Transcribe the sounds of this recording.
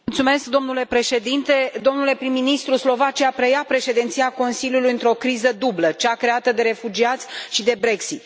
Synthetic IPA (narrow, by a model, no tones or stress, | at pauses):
lt̪sume̞skd̪o̞mnule̞pɾe̞ʃe̞d̪int̪e̞d̪o̞mnule̞pɾimːinist̪ɾuslo̞vat͡ʃiapɾejapɾe̞ʃe̞d̪int̪siako̞nsiljulujɨnt̪ɾo̞kɾizəd̪ublət͡ʃakɾe̞at̪əd̪e̞ɾe̞fud͡ʒiat̪sʲʃid̪e̞bɾe̞ksit̪